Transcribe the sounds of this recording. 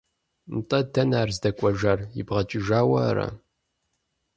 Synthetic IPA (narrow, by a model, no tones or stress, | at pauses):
mtʼɐdɐnaːrzdɐkʷʼɔʒarjɪ̰bʁɐt͡ʃʼɪʒaːwɐɾɐ̰